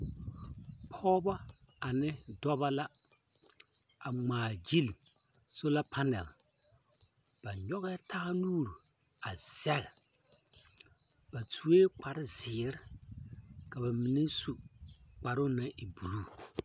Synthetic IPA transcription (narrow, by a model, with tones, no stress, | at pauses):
pʰɔː˦ba˦ | a˨nɪ˦dɔ˦ba˦la˦ | a˨ŋ͡maː˨d͡ʒi˦li˨ | so˦la˦pʰa˦nɛ̰˨l | b̥a˨ɲɔ˦ɣɛ˦tʰa˦ɣa˦nuː˦˨ɾu˨ | a˨z̥ɛ˦ɣɛ˨ | ba˨tʰu˨weː˦k͡pa˨ɾɪ˦zɪː˨ɾɪ˦ | ka˨ba˨mi˨ne˦su˨k͡pa˨ɾʊ˦na˨˦ʔi˨bu˨ɾuː˦˨